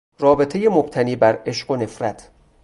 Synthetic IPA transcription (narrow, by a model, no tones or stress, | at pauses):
rɒːbe̞t̪ʰejemob̥t̪ʰæniːbæɾeʃɢo̞ne̞fɾæt̪ʰ